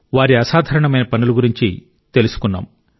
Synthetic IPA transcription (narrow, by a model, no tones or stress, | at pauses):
ʋaːɾiɐsaːd̪ʱaːɾɐɳɐmɐjnɐpɐnuluɡuɾiɲt͡ʃi | t̪e̞lusu̥kunːa̰ːm